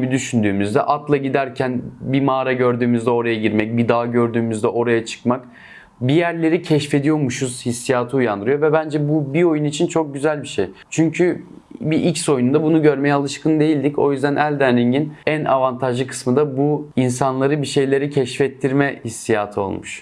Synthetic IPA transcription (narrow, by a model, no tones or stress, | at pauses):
bid̪yʃynd̪yːmyzd̪ɛ̰ʔat̪lˠaɟid̪æɾcʰænbimaːɾaɟøɾd̪yːmyzd̪ɛo̞ɾajaɟiɾmɛc̚bid̪aːɟøɾd̪yːmyzd̪ɛʔo̞ɾajat͡ʃʰɯ̥kmak | bijæɾlʲe̞ɾicʰɛʃfe̞d̪ijo̞ɾmuʃuz̥hisːijaːt̪ʰɯujand̪ɯɾɯjovɛbænd͡ʒɛbubio̞junit͡ʃʰint͡ʃʰo̞k̚ɟyzælʲbiʃejt͡ʃʰyɲcʰy | biʔicso̞junund̪abunuɟøɾmejɛalˠɯʃkʰɯnd̪e̞jilʲd̪ico̞jyzd̪ænʔælʲd̪ænɾiɲɟinænʔa̰vant̪ʰaʒlˠɯkʰɯ̥smɯnd̪abuinsanlˠaɾɯbiʃe̞jlʲe̞ɾicʰɛʃfɛt̪ʰːiɾmɛhisːijaːt̪ʰɯo̞̰lˠmuʃ